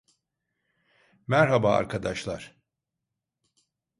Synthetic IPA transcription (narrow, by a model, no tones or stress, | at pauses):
mæɾɦabaːa̰ɾkʰad̪aʃlˠaɾ̥